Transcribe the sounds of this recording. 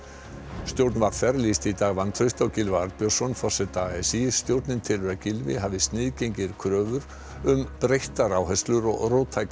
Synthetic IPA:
st̪jowɾt̪nvaɾ̥fɛɾlist̪it̪aːɣvant̪ʰɾœɥst̪awcɪlvaɾpjœ̥sɔnfɔ̥sɛt̪aɛsist̪jowɾt̪nɪnt̪ʰɪlɾɛðcɪlvɪ̰ɦaːvɪst̪nɪðcejɲcɪɾ̥kʰɾœːvʏɾ | ʏmpɾejht̪aɾawɦɛst̪lʏɾɔ̰ɣroːt̪ʰajk

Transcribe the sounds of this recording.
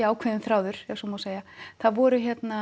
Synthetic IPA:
aːwkʰvɛðɪnθɾaːwðʏɾ̥ɛsɔmoseːjaθaðvɔːɾʏçjɛt̪na

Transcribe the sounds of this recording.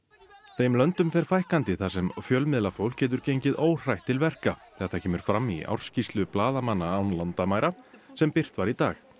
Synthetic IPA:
θeːjmlœnt̪ʏmfɛɾ̥fajhkant̪ɪθasɛmfjœlmɪðlafowl̥cɛːt̪̬ʏɾcejɲcɪðoːwr̥ajht̪ʰːɪlvɛr̥kaθɛat̪θacʰɛːmʏɾ̥fɾamːia̰wr̥scist̪lʏplaːðamanːaawnlant̪amaːjɾasɛmpɪr̥t̪vaɾit̪aːx

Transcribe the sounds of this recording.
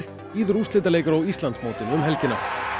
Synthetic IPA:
ɾ̥ | iðʏɾuslɪnt̪̬aleːjkʏɾɔɣist̪lant̪smoːwt̪ɪnʏmɦɛlcɪna

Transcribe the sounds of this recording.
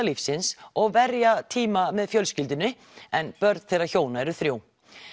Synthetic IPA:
alifsɪnsɔɣvɛɾjat̪ʰiːmamɛðfjœlscɪlt̪̬ɪnʏ | ɛnpœɾt̪θejrːaçoːwnaɛɾʏθɾjoːw

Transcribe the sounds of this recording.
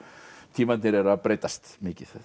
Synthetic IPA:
t̪ʰiːmat̪nɪɾɛɾaðpɾeːjt̪ast̪mɪːcɪθ

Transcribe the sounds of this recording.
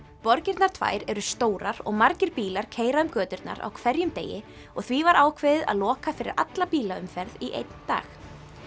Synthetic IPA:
pɔɾcɪɾt̪naɾ̥t̪ʰva̰ːjɾɛɾʏst̪oːwɾaɾɔ̰ɣmaɾcɪɾpiːlaɾ̥cʰeːjɾaʏmkœːt̪ʏɾt̪na̰ɾa̰wkʰvɛɾjʏmt̪ḛːjɪ | ɔɣθvivaɾʔaːwkʰvɪːðɪða̰ðlɔːkafɪɾɪɾʔa̰t̪lapiːlaʏmfɛɾðiʔḛjt̪nt̪a̰ːx

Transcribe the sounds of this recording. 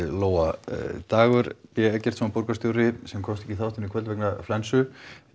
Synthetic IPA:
loːwat̪aːɣʏɾpjɛɛcɛr̥t̪sɔmapɔɾkast̪jowɾɪsɛmkʰɔmst̪ɛ̥hciθawht̪ɪnikʰvɛlvɛknaflɛnsʏ

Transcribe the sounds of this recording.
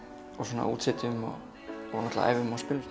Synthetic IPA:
ɔsɔnːa̰ṵːt̪sɛt̪ʏmɔ̰ | ɔnɔht̪la̰ʔa̰jvɪʏmaspɪlʏɾ

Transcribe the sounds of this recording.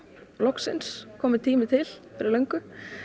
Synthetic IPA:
lɔksɪ̰nskʰɔːmɪt̪ʰiːmɪt̪ʰɪlfɛɾalœŋkʏ

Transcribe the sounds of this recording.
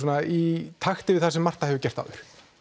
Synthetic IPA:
ɔnait̪ʰaxt̪ɪvɪðθasɛmːar̥t̪ahɛvʏcɛr̥t̪a̰wʏɾ̥

